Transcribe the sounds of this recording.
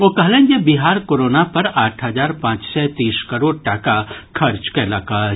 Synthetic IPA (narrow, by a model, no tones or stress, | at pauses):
okɐɦlẽːnjebiɦaːɾkoːɾoːnapɐɾaːʈʰɦɐzaːɾpãːt͡ʃsɛt̪iːskɐɾoːɽʈaːkakʰɐɾt͡ʃkɛlaka